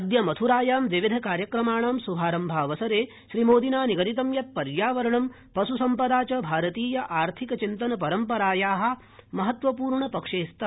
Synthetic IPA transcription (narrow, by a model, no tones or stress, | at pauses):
ɐd̪jɐmɐt̪ʰuɾaːjaːmʋ̪iʋid̪ʱɐkaːɾjɐkɾɐmaːɳaːmsubʱaːɾɐmbʱaːʋɐsɐɾeː | ʃɾimoːd̪inaːniɡɐɾit̪̬ɐmjɐt̪̚pɐɾjaːʋɐɾɐɳɐm | pɐsusɐmpɐd̪aːt͡ʃɐbʱaːɾɐt̪iːjɐʔaːɾt̪ʰikɐt͡ʃint̪ɐnɐpɐɾɐmpɐɾaːjaːɦɐ̆ | mɐɦɐt̪ʋɐpuːɾɳɐpɐkʂeːst̪ɐ